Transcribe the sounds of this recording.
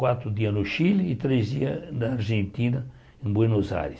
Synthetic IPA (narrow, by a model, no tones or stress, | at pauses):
wat̪ɾʊd̪iɐnoʃilit̪ɾezd̪iɐnɐːɾʒẽnt̪inɐ | ĩŋbwenoza̰ɾes